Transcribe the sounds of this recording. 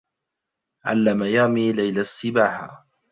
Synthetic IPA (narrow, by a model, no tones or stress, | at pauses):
ʕa̰lːamajaːmiːlajlasːɪbaːħa̰